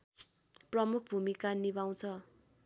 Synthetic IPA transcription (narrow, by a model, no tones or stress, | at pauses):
prʌmuk̚ʰbʱumikanibaw̃t͡sʰʌ